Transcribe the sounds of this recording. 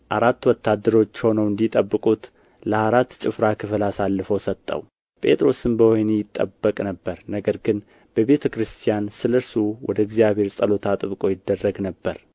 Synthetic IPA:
ʔaɾat̪ːwɔt̪ʰːad̪ːəɾo̞t͡ʃːho̞nəwɨnd̪it̪ʼəbːɨkʼut̪ | ləaɾat̪ːt͡ʃʼɪfɾakʰɨfɨlasalːɨfosət̪ʼːə̰w | pʼe̞̰t̪ʼɾo̞sɨnbəhojnejɪt̪ʼːə̰bːəkʼnəbːəɾnəɡəɾɡɨn | b̥əβe̞t̪ʰəkɾɨst̪ʰijansɨlɨɾsuwɔ̰d̪əɪɡzijaβhe̞ɾsʼəlo̞t̪ʰat̪ʼɨβkʼo̞jɪd̪ːərːəɡnəbːəɾ

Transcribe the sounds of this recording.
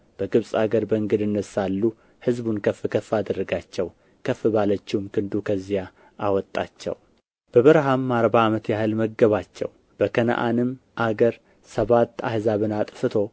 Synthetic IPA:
b̥əɡɨβsʼaɡəɾbəɨŋɡɨd̪ɨnːəsalːu | hɨzbunkʰəfːɨkʰəfːad̪ərːəɡat͡ʃːɛw | kʰəfɨbalət͡ʃːɪhumkʰɨnd̪ukʰəzːija | ʔawɔt̪ʼːa̰t͡ʃːɛ̰w | b̥əβɨɾɦamːaɾbaːmət̪jahɨlməɡːəβat͡ʃːɛ̰w | b̥əkʰənə̰ʔanɨmʔaɡəɾ | səβat̪ːa̰hzaβɨnat̪ʼfɨt̪ʰo̞

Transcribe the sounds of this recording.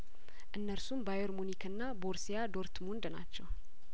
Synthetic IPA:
ʔɨnːəɾsumbajoɾmunikʰɨnːaboɾsijad̪o̞ɾt̪mund̪na̰t͡ʃːɛw

